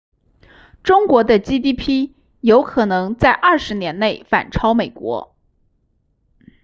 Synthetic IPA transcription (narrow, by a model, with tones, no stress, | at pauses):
ʈ͡ʂʊ˥ŋkwɔ˧˥d̪ə˧t͡ɕi˥t̪̬i˥pʰi˥ | jo˧˥ʊkʰɤ˨˩nɤ˧˥ŋt͡sa˥˧ɪʔɐ˥˩ʂɻ̩˧˥njɛ˧˥nne˥˩ɪfa̰˨˩nʈ͡ʂʰɑ˥ʊme˨˩ɪkwɔ̰˧˥